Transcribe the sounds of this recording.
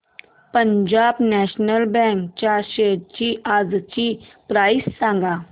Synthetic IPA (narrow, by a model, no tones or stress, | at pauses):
pəɲd͡ʑaːbnɛɕnəlbɛ̃ŋkt͡ɕaɕeɾ̚t͡ɕiad͡zt͡ɕipɾaːisːãŋɡa